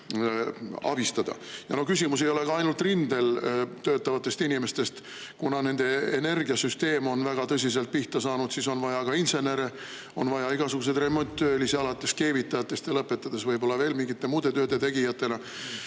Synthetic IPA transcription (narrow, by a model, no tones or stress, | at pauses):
ɑ̰b̥ist̪ɑd̪ɑ̰jɑno̞kysʲimus̬e̞jo̞le̞kɑɑjnult̪ˑrind̪e̞lt̪øːt̪ːˑɑvɑt̪ːˑe̞st̪inʲime̞st̪e̞st̪ | kunɑne̞nd̪e̞ene̞rɡiɑsyst̪e̞ːmo̞nvæɡ̥ɑt̪ɤs̬ʲise̞lt̪̚piht̪ɑsɑːnud̪siso̞nvɑjɑkɑinse̞ne̞ɾe | o̞nvɑjɑiɡ̥ɑsuɡ̥us̬e̞d̪re̞mo̞nʲt̪ːˑøːliseɑlɑt̪ːˑe̞ske̞ːvit̪ːˑɑjɑt̪ːˑe̞st̪jɑlɤpːˑe̞t̪ːˑɑd̪̥e̞svɤjbo̞lːɑve̞ːlmiŋɡit̪ˑːe̞muːd̪̥e̞t̪øːd̪et̪e̞ɡijɑt̪ːe̞nɑ